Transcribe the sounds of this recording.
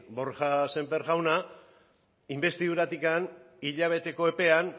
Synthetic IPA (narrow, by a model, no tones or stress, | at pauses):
bo̞ɾʝase̞mpe̞ɾɣawna | imbe̞st̪iðuɾat̪ikan | iʎaβ̞e̞t̪e̞ko̞e̞pe̞an